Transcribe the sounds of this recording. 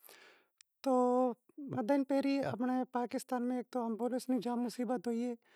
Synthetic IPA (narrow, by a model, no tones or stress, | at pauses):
t̪oː | mɐd̪ənpeːɾiɐ̰pnepaːkɪst̪aːnmẽeːk̚t̪oɐmbolɪsnid͡ʒaːmːʊsiːbət̪ɦoːieː